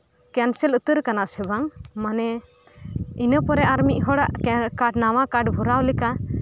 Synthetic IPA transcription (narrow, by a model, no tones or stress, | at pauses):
kansɛlət̪əɾkanasɛbaŋmanɛ | inəpɔɾɛaɾmiʔ̚ɦɔɽaʔkaɖnawakaɖbʱuɾawlɛka